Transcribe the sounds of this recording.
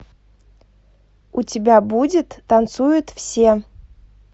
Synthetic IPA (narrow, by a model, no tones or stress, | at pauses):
utʲɪbʲabudʲɪt̪ːant̪sujʊt̪fsʲe